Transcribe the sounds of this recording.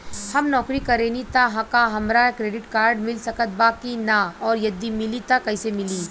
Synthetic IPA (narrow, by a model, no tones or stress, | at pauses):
hɐmnɔːkɾikɐɾeːnit̪aɦãkaɦɐmɾakɾeːɖɪʈkaːɾɖmɪlsɐkət̪̚baːkinaɔːɾjɐd̪imɪlit̪akɐɪsemɪliː